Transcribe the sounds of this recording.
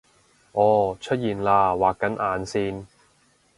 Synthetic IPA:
ʔɔː˨˧t͡ʃʰɵ˥t̚jiː˨nlaː˧waː˨kːɐ˨˥nʔaː˨˧nsiː˥n

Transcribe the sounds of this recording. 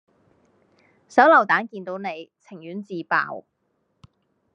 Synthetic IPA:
sɐ˨˥wlɐ˨˩wt̪aː˨˥nkiː˧nt̪o˨˥wne˨˧jt͡sʰɪ˨˩ŋjyː˨˥nt͡siː˨˧pa̰ː˨˧w

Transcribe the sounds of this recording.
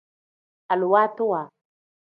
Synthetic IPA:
a˨lu˨wa˦t̪u˦wa˨

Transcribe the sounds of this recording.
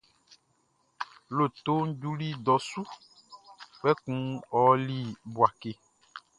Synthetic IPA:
lo˨t̪o˦ŋ̩˦d͡ʒu˦li˦d̪ɔ˨su˦ | k͡pɛ˦kũ˦ɔ˦li˦bu˨a˨ke˦

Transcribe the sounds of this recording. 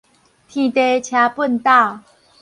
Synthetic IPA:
t̪ʰĩ˨˩t̪e˧˦t͡ɕʰja˧˦pə˥˨nt̪a˥˨

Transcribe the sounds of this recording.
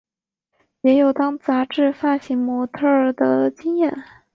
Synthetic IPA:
jɛ˧˥jo˨˩ʊt̪ɑ˥ŋt͡sa˧˥ʈ͡ʂɻ̩˥˧fa˥˩ɕi˧˥ŋmwɔ˧˥t̪ʰə˥˩d̪ə˩t͡ɕi˥ŋjɛ˥˩n

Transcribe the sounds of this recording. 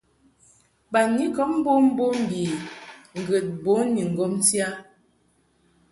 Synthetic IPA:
ba˨ni˦kɔ˦m˦bo˦m̩˦bo˦m̩˨bi˨ŋ̩˨ɡə˨t̚bo˨˦ni˨ŋ̩˨ɡɔ˦m˦sja˦

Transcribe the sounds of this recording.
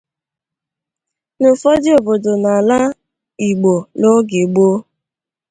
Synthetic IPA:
nʊ˨fɔ˦dɪ˦o˨bo˨do˨na˨la˦ | i˨ɡ͡bo˨lo˦ɡɪ˨ɡ͡bo˦

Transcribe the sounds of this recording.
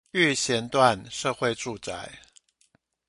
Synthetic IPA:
y˥˨˩ɕjɛ˧˥nt̪wa˥˨nʂɤ˥˧xwe˥˧ɪʈ͡ʂu˥˧t͡sa̰˥˩ɪ

